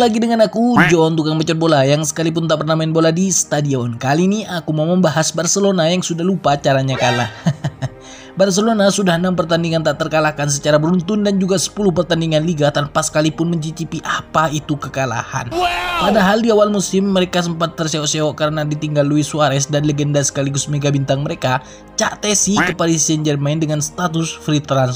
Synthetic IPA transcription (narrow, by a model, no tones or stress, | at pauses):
laɡidəŋanakud͡ʒɔnt̪̬ukaŋbət͡ʃɔt̪̚bolajaŋsə̥kalip̬ʊnt̪aʔpərnamainboladisə̥t̪adiɔnkaliniakumauməmbaɦasbarsəlonajaŋsudahlupat͡ʃaɾaɲakala̰h | bars̬əlonasudahnampərt̪andiŋant̪aʔt̪ərkalakans̬ət͡ʃaɾabəɾunt̪ʊndand͡ʒuɡasə̥pulʊhpərt̪andiŋanliɡat̪anpasə̥kalipʊnməɲt͡ʃit͡ʃipiʔapait̪ukəkala̰ha̰npadaɦaldiawalmusɪmːəɾekas̬əmpat̪ːərseɔʔseɔʔkaɾənadit̪iŋɡaluisuaɾɛs̬danleɡɛndasə̥kaliɡust̪meɡabint̪aŋməɾeka | t͡ʃaʔt̪ɛsikəpadasɛnd͡ʒərmaɪndəŋanst̪at̪̬ʊsfɾit̪ɾans